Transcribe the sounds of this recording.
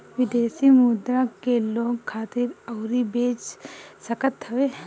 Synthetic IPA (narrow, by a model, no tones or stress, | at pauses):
ʋɪd̪eːsimud̪ɾakeloːɡkʰaːt̪ɪɾɐːɾibeːt͡ʃsɐkət̪ɦɐʋe